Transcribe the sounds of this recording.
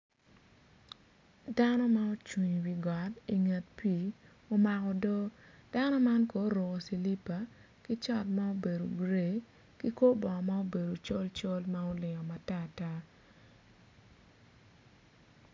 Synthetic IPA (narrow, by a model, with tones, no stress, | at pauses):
da˦nɔ˦ma˦o˦t͡ʃwi˨ɲwi˨ɡɔ˨ti˨ŋe˨tpʰiː˦˨ | o˦ma˨kɔ˨do˦d̥a˦nɔ˦ma˦nko˨˦ɾʊ˨ko˨si˨li˦pa˨ | ki˦t͡ʃɔ˦tma˦o˦be˨do˨ɡɾe˦˨ | ki˦ko˦bɔ˨ma˦o˦be˨do˨t͡ʃo˦lt͡ʃo˦lma˦o˦lɪ˨ŋɔ˨ma˨ta˦˨ta˦